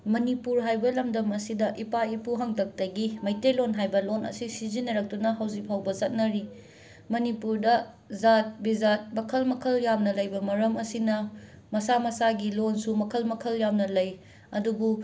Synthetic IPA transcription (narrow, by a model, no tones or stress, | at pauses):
mɐnipuɾɦajbɐlɐmdɐmɐsidɐʔipaipuɦɐŋdɐk̚tɐɡimɐjtelonɦajbɐlonɐ̰sisizinːɐɾɐk̚tunɐɦɐwzikpʰawbɐzɐt̚nɐɾi | mɐnipuɾdɐ | zat̚bizat̚mɐkʰɐlmɐkʰɐljamnɐlɐjbɐmɐɾɐmɐsinɐ | mɐsamɐsaɡilonsumɐkʰɐlmɐkʰɐljamnɐlɐj | ɐdubu